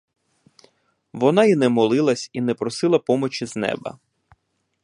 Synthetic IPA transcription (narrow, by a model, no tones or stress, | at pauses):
ʋɔnɑinɛmɔlˠɪlˠɐsʲinɛpɾɔsɪlˠɐpɔmɔt͡ʃiznɛ̰bɐ̰